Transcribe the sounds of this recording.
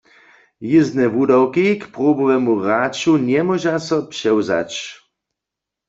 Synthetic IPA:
jɪznɛvudawkikpʁobɔvɛmuʁat͡ʃuɲɛmɔʒasɔpʂɛwza̰t͡ɕ

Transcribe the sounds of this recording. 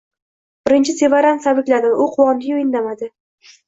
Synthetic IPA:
bɪɾɪnt͡ʃʰɪse̞vaɾansabɪkʲlad̪ɪʔʊqʰʊwɒnd̪ɪjʲojɪnd̪amad̪ɪ

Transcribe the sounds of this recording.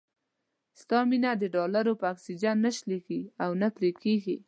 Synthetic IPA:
st̪ɑminad̪əɖɑlaɾopəaksid͡ʒanːaʃlikiawnapɾekʰeɡi

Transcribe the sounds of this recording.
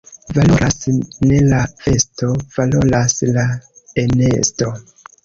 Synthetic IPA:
valo̞ɾʔasne̞lafe̞sto̞v̥alo̞laslaene̞̰sto̞

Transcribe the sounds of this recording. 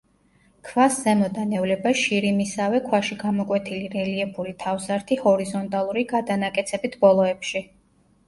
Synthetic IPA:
kʰvaszɛmɔd̪anɛvlɛbaʃiɾimisavɛkʰwaʃiɡamɔkʼwɛt̪ʰiliɾɛliɛpʰulit̪ʰavzaɾt̪ʰihɔɾizɔnt̪ʼalˠuɾiɡad̪anakʼɛt̪sʰɛbit̪ʰbɔlˠɔɛpʃi

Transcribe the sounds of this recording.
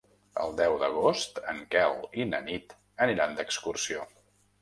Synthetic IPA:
ə̰lˠd̪ɛwd̪əɣ̞ost̪əŋkɛlinə̰nit̪ | əniɾand̪əkskursio

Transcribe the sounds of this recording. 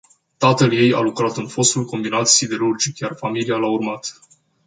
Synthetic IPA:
t̪at̪əlje̞ja̰lukɾat̪ɨnfo̞st̪ulko̞mbinat̪sid̪e̞ɾurd͡ʒikjarfamilialaurmat̪

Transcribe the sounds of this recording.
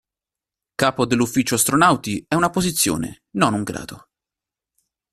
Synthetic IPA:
kaːpod̪elːufːit͡ʃoast̪ɾonawt̪iɛunapozit̪sːjo̰ːnḛ | nonuŋɡɾa̰ːd̪̥o

